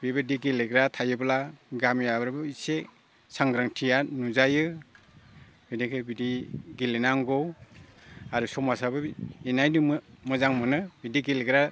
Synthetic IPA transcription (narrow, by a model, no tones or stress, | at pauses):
bibɯdiɡileɡɾatʰajɯblaɡamjabɾbɯse | saŋɡɾaŋtʰijanuzajɯ | bidikʰɯbidiɡilenaŋɡɔw | aɾusɔmasabɯinajdɯmɯzaŋmɯnɯbidiɡileɡɾa